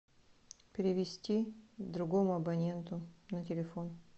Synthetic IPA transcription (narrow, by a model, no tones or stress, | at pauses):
pʲɪɾʲɪvʲɪsʲtʲid̪ɾʊɡomʊɐbɐnʲe̞nt̪ʊnətʲɪlʲɪfo̞n